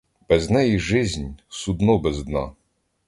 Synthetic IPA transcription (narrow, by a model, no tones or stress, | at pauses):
b̥ɛznɛjiʒɪzʲnʲsud̪nɔbɛzd̪nɑ